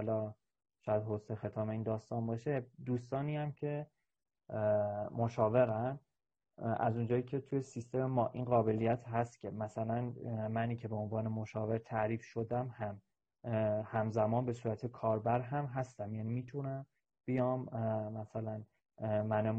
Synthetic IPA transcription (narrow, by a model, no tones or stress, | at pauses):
ɒlɒː | ʃɒːjæd̪ɦosexe̞t̪ʰɒːme̞iːnd̪ɒːst̪ɒːnbɒʃe̞d̪uːst̪ɒːniːæmcʰe̞ | moʃɒːve̞ɾæn | æ̰zund͡ʒɒːjiːcʰe̞t̪ʰuje̞sist̪e̞memɒːʔinɢɒːbe̞lijæt̪ʰɦæst̪cʰe̞mæsælænmæniːcʰe̞beonvɒːne̞moʃɒːve̞ɾt̪ʰæʔɾiːfʃo̞d̪æmhæm | hæmzæmɒːnbe̞suːɾæt̪ʰekʰɒːɾbæɾɦæmɦæst̪æmjænimiːt̪ʰunæm | b̥ijɒːmːæsælæn | mæne